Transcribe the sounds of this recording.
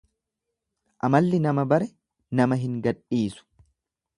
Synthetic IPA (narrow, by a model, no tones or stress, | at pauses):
ʔɐmɐlːɪnɐmɐbɐɾɛ | nɐmɐɦɪŋɡɐᶑiːsʊ̥